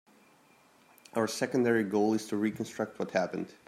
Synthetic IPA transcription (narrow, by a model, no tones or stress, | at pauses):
ʔaʊə˞sɛkə̃n̩dɛɹiɡoʊlˠɨz̥tʰɨɹikə̃n̩stɹ̥ʌk̚t̚wʌthæpɨ̃nd̥